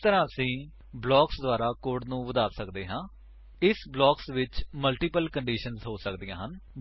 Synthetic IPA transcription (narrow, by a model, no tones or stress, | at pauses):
t̪əɾãːəsĩː | blɔːksd̪ʊaːɾaːkoːɾɖnũːʋəd̪aːsəkd̪eːɦãː | ɪsblɔːksʋɪt͡ʃməlʈiːpəlkəɳɖiːʃənzɦoːsəkd̪ijãːɦən